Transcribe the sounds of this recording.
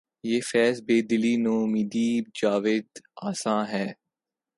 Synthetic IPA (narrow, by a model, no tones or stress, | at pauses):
jeːfɛːsbeːd̪ɪliːnõːmiːd̪iːb̚d͡ʒaːʋeːd̪aːsãːɦɛː